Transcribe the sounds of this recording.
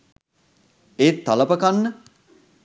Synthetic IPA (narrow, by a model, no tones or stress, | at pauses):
eːt̪ːaləpəkanːə